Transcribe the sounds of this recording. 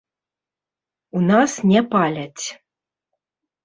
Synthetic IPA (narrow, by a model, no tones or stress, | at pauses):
unasnʲɛpalʲat͡sʲ